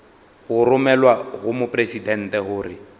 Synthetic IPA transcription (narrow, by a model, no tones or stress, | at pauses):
ɣʊrʊmɛlwaɣʊmʊpʼresidɛn̩tɛɣʊːrɪ